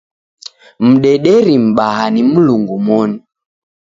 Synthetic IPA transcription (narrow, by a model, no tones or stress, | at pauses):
m̩ɗɛɗɛɾim̩ɓaɦanim̩luŋɡumɔni